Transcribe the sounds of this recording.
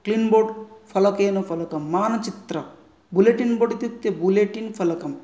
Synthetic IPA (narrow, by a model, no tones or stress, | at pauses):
klinboːɖfʰɐlɐkeːnofʰɐlɐkɐmːaːnɐt͡ʃit̪ɾɐ | buleʈinboɖit̪ut̪ːjebuleʈinfʰɐlɐkɐm